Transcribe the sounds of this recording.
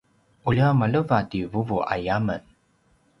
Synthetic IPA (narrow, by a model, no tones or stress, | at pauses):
ʔuliamaləvadivuvuʔa̰jamən